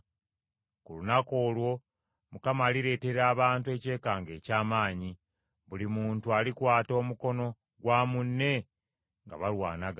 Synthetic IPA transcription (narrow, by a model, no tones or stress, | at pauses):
kulunako̞ːlwo̞ | mukamaːliɾe̞ːte̞ɾaːβaːntue̞ːce̞ːkaːŋɡe̞ːcaːmaːɲi | βulimuːntualikwaːto̞ːmuko̞no̞ | ɡwaːmunːe̞ | ŋɡa̰βalwa̰ːnaɡa